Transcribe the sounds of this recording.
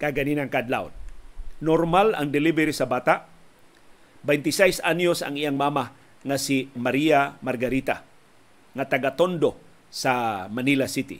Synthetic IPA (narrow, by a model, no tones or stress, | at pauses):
kaɡaninaŋkad̪la̰wnnoɾmala̰ŋd̪ɪlibɛɾisabaːt̪aʔ | bɛjnt̪ɪsɛjsanosa̰ŋijaŋmaːma | ŋasimaɾiamaɾɡaɾit̪a | ŋat̪aɡat̪ond̪o | samanilasit̪ḭ